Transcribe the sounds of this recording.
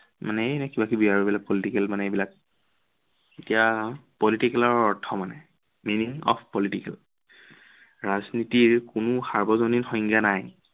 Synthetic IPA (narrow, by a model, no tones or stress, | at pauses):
manɛnɛkibakibiaɹibilak̚pɔlitikɛlmanɛjbilak | etijapɔlitikɛlɔɹɔɹtʰɔmanɛ | miniŋɔ̰pʰpɔlitikɛ̰l | ɹaznitiɹkʊnʊxaɹbɔzoninxɔŋɡjanaj